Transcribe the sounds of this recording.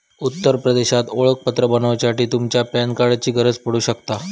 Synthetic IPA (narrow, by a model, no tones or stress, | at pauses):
ut̪ːəɾpɾəd̪eɕat̪oɭək̚pət̪ɾəbənəʋt͡ɕaʈiːt̪umt͡ɕjapankaɽat͡ɕiːɡʱəɾəd͡zpəɽuːɕəkt̪a